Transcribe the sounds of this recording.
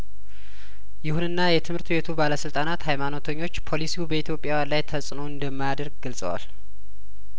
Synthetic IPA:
jɪhunɨnːajɛt̪ʰɨmhɨɾt̪bet̪ʰubaləsɨlt̪ʼanat̪hajmano̞t̪ʰəɲːo̞t͡ʃːpʰo̞lisiubəit̪ʰjo̞pʼːjawjanlajt̪ʰəsʼno̞ɨnd̪əmːajad̪əɾɡ̚ɡəlsʼə̰wa̰l

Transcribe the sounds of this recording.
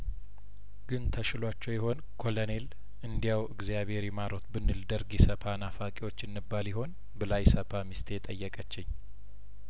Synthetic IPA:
ɡ̥ɨnt̪ʰəʃɪlwat͡ʃːɛwjɪɦo̞n | kʰo̞lone̞l | ʔɨnd̪ijawɨɡzijaβhe̞ɾjɛmaɾo̞t̪bɨnːɨld̪əɾɡjɛsəpʰanafakʼiwo̞t͡ʃːɨnːɨbːaljɪho̞n | bɨlajsəpʰamist̪ʰejt̪ʼəjːəkʼət͡ʃːɪɲː

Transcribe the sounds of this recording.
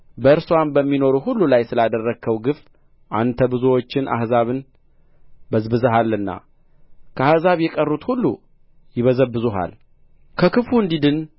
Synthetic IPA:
bəɨɾswambəmːino̞ɾuɦulːulajsɨlad̪ərːəɡʰəwɡɨf | ʔant̪ʰəbɨzuwo̞t͡ʃːɪnʔa̰hzaβɨn | bəzbɨzəɦalːɨnːa̰ | kʰəahzaβjɛkʼərːut̪hulːṵ | jɪβəzəbːɨzuɦa̰l | kʰəkɨfuɨnd̪id̪ɨn

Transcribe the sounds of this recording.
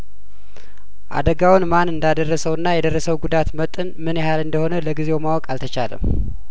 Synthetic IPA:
ʔa̰d̪əɡawnmanɨnd̪ad̪ərːəsəwɨnːajɛd̪ərːəsəwɡud̪at̪mət̪ʼɨnmɨnjɪhalɨnd̪əho̞nələɡizewmawɔkʼalt̪ʰət͡ʃalə̰m

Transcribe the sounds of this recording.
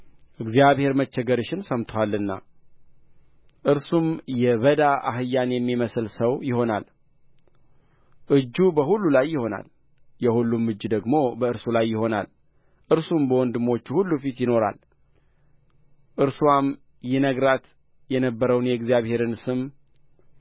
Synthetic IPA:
ʔɨɡzijaβhe̞ɾmət͡ʃːɛɡəɾɨʃɪnsəmt̪ʰwalːɨnːa̰ | ʔɨɾsumjɛβəd̪aa̰ɦɨjːanjɛmːiməsɨlsəwjɪho̞na̰l | ʔɨd͡ʒːubəɦulːulajːɪho̞na̰l | jɛhulːumːɨd͡ʒːd̪əɡmo̞bəɨɾsulajːɪho̞na̰l | ʔɨɾsumbəwɔnd̪ɨmo̞t͡ʃːuhulːufit̪jɪno̞ɾa̰l | ʔɨɾsuam | jɛnəɡɾat̪ | jɛnəbːəɾəwnjɛɡzijaβhe̞ɾɨnsɨm

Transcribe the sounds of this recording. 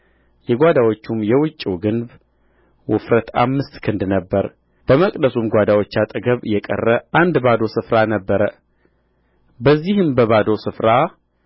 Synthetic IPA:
jɛɡʷad̪awot͡ʃːumjɛwʊt͡ʃʼːiwɡɨnb | wʊfɾət̪a̰mːɨst̪kʰɨnd̪nəbːəɾ | b̥əməkʼd̪əsumɡʷad̪awot͡ʃːat̪ʼɨɡəβɨjːɛkʼə̰rːəʔand̪bad̪o̞sɨfɾanəbːəɾə | bəzːihɨmbəβad̪o̞sɨfɾa

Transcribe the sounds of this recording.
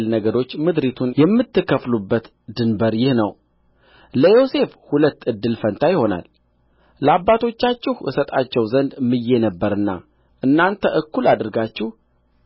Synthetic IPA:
lnəɡəɾo̞t͡ʃːmɨd̪ɾit̪ʰunjɛmːɨt̪ːɨkːəflubːət̪ | d̪ɨnbəɾjɪhnəw | ləjo̞se̞fhulət̪ːɨd̪ːɨlfənt̪ʰajɪho̞na̰l | ləabːat̪ʰo̞t͡ʃːat͡ʃːɪhʔɨsət̪ʼat͡ʃːɛwzənd̪mːɨjːe̞nəbːəɾɨnːa̰ | ʔɨnːant̪ʰəʔɨkːulad̪ɨɾɡat͡ʃːɪh

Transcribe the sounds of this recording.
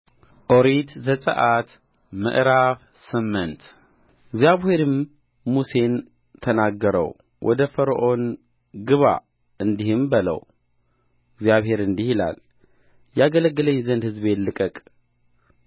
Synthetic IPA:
ʔo̞ɾit̪zəsʼə̰ʔat̪ | mə̰ʔɾaβ | sɨmːənt̪ | ɪɡzjaβhe̞ɾɨmː | use̞n | t̪ʰənaɡːəɾə̰w | wʔɔ̰d̪əfəɾəʔo̞n | ɡɨβa̰ | ɨnd̪ihɨmbələ̰w | ɪɡzjaβhe̞ɾɨnd̪ihila̰l | jaɡələɡːələɲːzənd̪hɨzbet̪lɨkʼəkʼ

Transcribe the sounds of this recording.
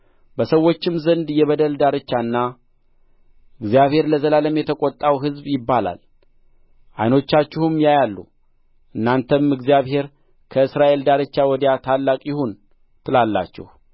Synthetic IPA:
bəsəwːo̞t͡ʃːɪmzənd̪jɛβəd̪əld̪aɾɨt͡ʃːanːa | ʔɨɡzijaβhe̞ɾləzəlaləmjɛt̪ʰəkʼɔt̪ʼːawɦɨzbjɪbːala̰l | ʔajno̞t͡ʃːat͡ʃːɪhumjajalːṵ | ʔɨnːant̪ʰəmɨɡzijaβhe̞ɾ | kʰəɨsɾaʔe̞ld̪aɾɨt͡ʃːawɔd̪jat̪ʰalːakʼjɪhon | t̪ʰɨlalːa̰t͡ʃːɛ̰h

